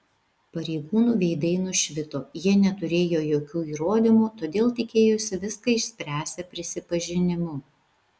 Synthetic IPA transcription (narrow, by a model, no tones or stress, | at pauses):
pɐɾʲɛɪɡuːnuːʋʲɛɪd̪ɐɪnʊʃʲʋʲɪt̪oːjiɛnʲɛt̪ʊɾʲeːjoːjoːkʲuːiːɾoːd̪ʲɪmuːt̪oːd̪ʲeːlˠt̪ʲɪkʲeːjʊsʲɪʋʲɪskɐɪʃʲsʲpʲɾʲæːsʲɛpʲɾʲɪsʲɪpɐʒʲɪnʲɪmʊ